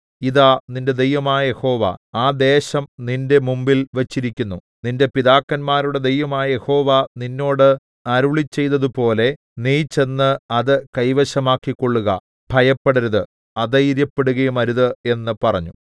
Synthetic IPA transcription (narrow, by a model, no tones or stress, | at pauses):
iðaːninde̞d̪e̞jʋɐmaːjɐje̞ho̞ːʋa̰aːd̪e̞ːɕɐmninde̞mumbilʋet͡ɕːiɾikʲːunːu | ninde̞piðaːkːɐnmaːɾuɽe̞d̪e̞jʋɐmaːjɐje̞ho̞ːʋaninːo̞ːɽɨ | ɐɾuɭit͡ɕːe̞jt̪ːɐðupo̞ːle̞ | niːt͡ɕːe̞nːɨɐðɨkɐjʋɐɕɐmaːkːikːo̞ɭːuɣɐ̰ | b̥ʱɐjɐpːeɽɐɾɐðɨ | ɐðɐjiɾjɐpːe̞ɽuɣɐjumɐɾuðɨe̞nːɨpɐrɐɲːu